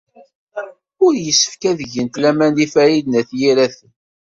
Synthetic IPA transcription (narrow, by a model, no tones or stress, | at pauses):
ʊɾjəsːə̥fkæðəʝənt̪læmænifæɾid̪næθjiɾæθən